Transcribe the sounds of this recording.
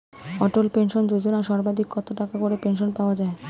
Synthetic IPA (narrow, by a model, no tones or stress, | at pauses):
ɔʈolpenʃond͡ʑod͡ʑonaʃɔɾbad̪ʱikːɔt̪oʈakakoɾepenʃonpaoad͡ʑae